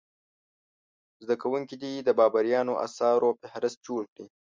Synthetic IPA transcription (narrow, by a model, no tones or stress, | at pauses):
zd̪akawuŋkid̪id̪əbɑbaɾjɑnoʔa̰sɑɾopɪhɾɪst̪̚d͡ʒoɽkɽi